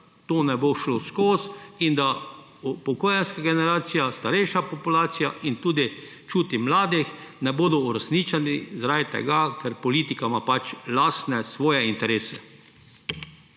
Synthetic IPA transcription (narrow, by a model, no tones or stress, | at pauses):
t̪oːnɛboʃloskoːsind̪a | upɔkoːjanskaɡɛnɛɾaːt̪sijast̪aɾɛjʃapɔpulaːt̪sijaʔint̪uːd̪i | t͡ʃuːt̪imlaːd̪ix | nɛboːd̪ɔuɾɛsnit͡ʃanizɾajt̪ɛ̰ɡakɛɾpɔliːt̪ikamapat͡ʃlaːst̪nɛsʋɔːjɛint̪ɛɾeːsɛ